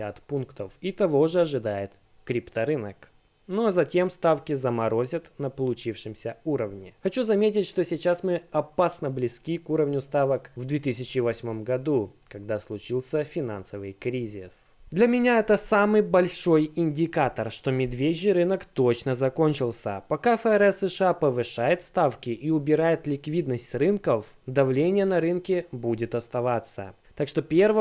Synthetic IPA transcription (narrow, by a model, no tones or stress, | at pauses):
at̪punkt̪əfit̪ɐvo̞ʐɨɐʐɨd̪ajɪt̪ | kɾʲipt̪əɾɨnək | nozɐtʲemst̪afkʲɪzəmɐɾo̞zʲət̪nəpəlˠʊt͡ɕifʂɨmsʲəuɾəvnʲɪxɐt͡ɕuzɐmʲet̬ʲɪtʲʂt̪o̞sʲɪt͡ɕasmɨɐpasnəblʲɪskʲikuɾəvnʲʊst̪avəkvd̪vʲet̪ɨsʲɪt͡ɕɪvɐsʲmo̞mɡɐd̪ukɐɡd̪aslˠʊt͡ɕilˠsʲəfʲɪna̰nsəvɨjkɾʲizʲɪsd̪lʲɐmʲɪnʲaɛt̪əsamɨjbɐlʲʂo̞jɪnʲdʲɪkat̪ərʂt̪o̞mʲɪd̪vʲeʑʲːɪɾɨnəkt̪ot͡ɕnəzɐko̞nʲt͡ɕɪlˠsʲə̰pɐkafəɛɾɛsːɨʂɨapəvɨʂajɪt̪st̪afkʲɪʔiʊbʲɪɾajɪt̪lʲɪkvʲid̪nəsʲtʲrɨnkəfd̪ɐvlʲenʲɪjənɐɾɨnkʲɪbudʲɪt̪ɐst̪ɐvat̪sːə̰ | t̪akʂt̪o̞pʲervɨ